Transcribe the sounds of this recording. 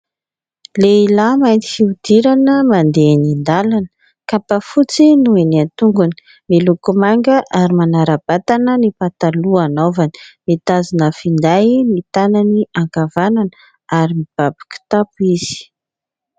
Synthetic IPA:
leilamajnt̪i̥fiud̪̥iɾanəmand̪enind̪alanə̥ | kapafut͡sinueniant̪uŋɡuni̥ | milukumaŋɡəʔaɾimanaɾab̥at̪anənipat̪aluanovanə̥met̪azinəfind̪ajmit̪ananiʔaŋɡavanan | aɾimib̥abḁku̥t̪apuiz̥i̥

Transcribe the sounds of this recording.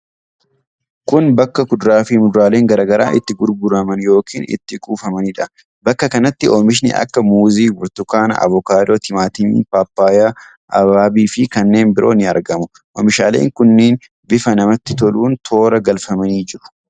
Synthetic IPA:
kʊnbɐkːɐkʊd̪ʊɾaːfɪmʊd̪ʊɾaːle̞ːŋɡɐɾaːɡɐɾa̰ːʔɪt̪ːɪɡʊɾɡʊɾɐmɐnjo̞ːkḭːnɪ̰t̪ːɪkʼuːfɐmɐnɪᶑɐ | bɐkːɐkɐnɐt̪ːɪomɪʃ̬nɪ̰ʔɐ̰kːɐmuːziːɡʊɾt̪ʊkaːnɐ̰ʔɐ̰vɔkaːd̪oːt̪ɪmaːt̪ɪn̰ːpaːpːaːja | ʔɐbaːbiːfɪkɐnːe̞ːnbɪɾʔo̞ːnɪɐ̰ɾɡɐmʊ | ʔɔmɪʃaːlḛːŋkʊnːeːn | bɪfɐnɐmɐt̪ːɪt̪ɔluːnt̪ʰo̞ːɾɐɡɐlfɐmɐniːd͡ʒɪɾʊ̥

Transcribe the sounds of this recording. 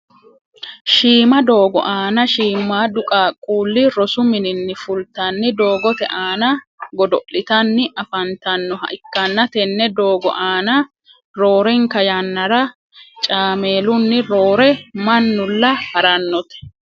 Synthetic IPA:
ʃiːmɐd̪o̞ːɡɔ̰ʔaːnɐʃiːmːaːd̪ʊkʼaːkʼuːlːɪɾɔsʊmɪnɪnːɪfʊlt̪ɐnːɪd̪o̞ːɡɔt̪ɛʔaːnɐ | ɡɔd̪ɔʔɪt̪ɐnːɪʔɐfɐnt̪ɐnːɔɦɐ̰ʔɪkːɐnːɐt̪ɛnːɛd̪o̞ːɡɔ̰ʔaːnɐ | ɾo̞ːɾɛŋkɐjɐnːɐɾɐ | t͡ʃʼaːmeːlʊnːɪɾo̞ːɾɛmɐnːʊlːɐhɐɾɐnːɔt̪ɛ̥

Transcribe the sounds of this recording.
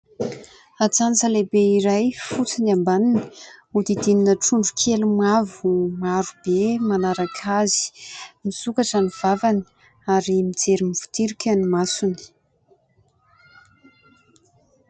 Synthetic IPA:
at͡sant͡səlebeiɾajfut͡sinambanini̥ud̪id̪ininəʈ͡ʂuɳɖ͡ʐukʰelumavumaɾub̥emanaɾakʰazi̥misukaʈ͡ʂaniv̥avani̥ | aɾimid͡zeɾimiv̥u̥t̪iɾikʲənimasuni̥

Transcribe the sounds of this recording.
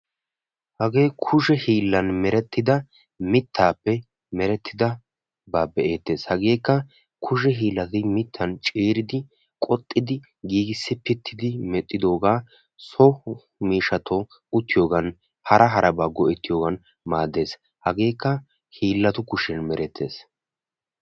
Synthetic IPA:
hɐɡe̞ːkʰʊʃɛhiːlːɐnmɛɾɛt̪ːɪd̪ɐ | mɪt̪ʰːaːpːɛ | mɛɾɛt̪ʰːɪd̪ɐ | baːbɛʔeːt̪ːe̞ːshɐɡe̞ːkːɐ | kʰʊʃ̬ɛɦiːlːɐt̪ɪmɪt̪ʰːɐnt͡ʃʼeːɾɪd̪ɪ | kʼɔt̪ʼːɪd̪ɪ | ɡiːɡɪsːɪpɪt̪ʰːɪd̪ɪmɛt̪ʼːɪd̪o̞ːɡaː | sɔ | miːʃɐt̪ɔ | ʊt̪ːɪjo̞ːɡɐn | hɐɾʔɐɦɐɾʔɐbaːɡɔʔɛt̪ːɪjo̞ːɡɐn | maːd̪e̞ːs | hɐɡe̞ːkːɐ | hiːlːɐt̪ʊkʊʃɛnmɛɾɛt̪ʰːe̞̰ːs

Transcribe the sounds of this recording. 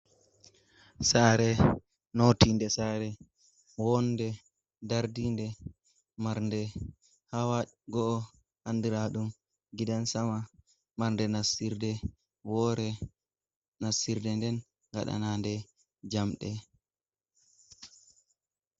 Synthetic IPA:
saɾɛ | notindɛsaːɾɛ | wɔndɛ | daɾdindɛ | maɾndɛ | hawaɡɔʔː | handiɾaɗum | ɡidansama | maɾndɛnasiɾdɛ | wɔːɾɛ | nasiɾdɛndɛn | ŋɡa̰ɗa̰nandɛ | d͡ʒamɗɛ

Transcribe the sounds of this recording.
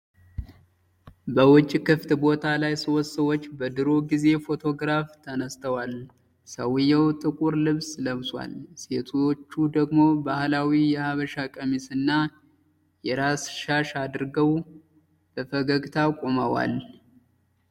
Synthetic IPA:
bəwʊt͡ʃʼːkɨft̪bo̞t̪ʰalajsowt̪səwot͡ʃːbəd̪ɨɾo̞ɡize̞fo̞t̪ʰo̞ɡɾaft̪ʰənəst̪ʰəwal | səwɨjːəwt̪ʼɨkʼuɾlɨβsləβswa̰lse̞t̪ʰot͡ʃːud̪əɡmo̞bahlawijɛhaβəʃakʼəmisɨnːa | jɛɾasʃaʃad̪ɨɾɡəw | b̥əfəɡəɡt̪ʰakʼoməwa̰l

